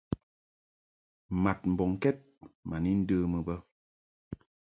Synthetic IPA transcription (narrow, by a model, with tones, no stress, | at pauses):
ma˨t̚m̩˨bɔ˨ŋ˨kɛ˦t̚ma˨ni˦n̩˦dəː˦mə˨bə˦